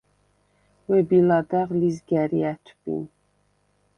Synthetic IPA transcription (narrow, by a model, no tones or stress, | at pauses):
wɛbilɑd̪æʁlizɡæɾiæt̪ʰbḭn